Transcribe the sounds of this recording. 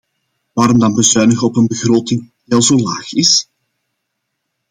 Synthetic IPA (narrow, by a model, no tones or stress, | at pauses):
ʋaːɾɔmdɑnbəzœːnəɣəɔpənbəɣroːtɪŋdiɛlˠzoːlaːxɪs